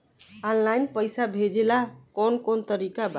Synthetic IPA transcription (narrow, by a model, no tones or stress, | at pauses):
ɔnlajnpəjsabʱed͡ʒelakonkont̪əɾikab